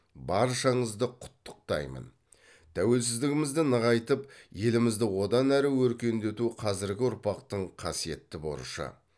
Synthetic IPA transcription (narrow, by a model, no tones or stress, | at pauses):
bɑɾʃɑɴəzd̪əqʰʊ̥t̪ːʊ̥q̚t̪ɑ̰jmə̰n | t̪ʰæwe̞ls̬ɪzd̪ɪɡʲɪmɪzd̪ɪnəʁɑjt̪əpje̞lɪmɪzd̪ɪwo̞d̪ɑnæɾɪwɵɾkʲe̞nd̪e̞t̪uqʰɑzɪɾɡʲɪʊɾpɑqt̪əɴqʰɑsije̞t̪ːɪbo̞̰ɾ̰ʃɑ̰